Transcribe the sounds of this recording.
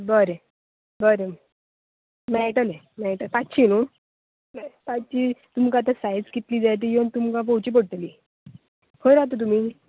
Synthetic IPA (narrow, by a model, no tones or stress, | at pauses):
bəɾe | bəɾe | mɛʈəle | mɛʈət̪at͡ɕʰiːnu | mt̪at͡ɕiːt̪umkat̪̬asajd͡zkit̪liːd͡zajt̪̬ijiont̪umkapowt͡ɕiːp̬əɽ̚t̪liː | fʰəɾɾat̪̬ot̪̬um̤iː